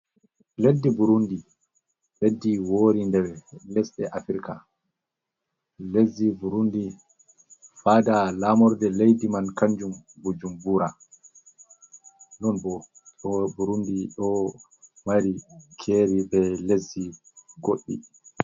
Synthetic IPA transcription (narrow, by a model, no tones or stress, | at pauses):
ledːibuɾundi | ledːiwoːɾindɛbɛlɛsɗɛʔafiɾka̰ | lezːibuɾundi | faːdalaːmɔɾdɛlejdimankaɲd͡ʒumbud͡ʒumbuːɾa | lɔnbɔ | ɗɔbuɾundiɗɔ | maɾikʰeːɾibɛlezːi | ɡoɗːḭ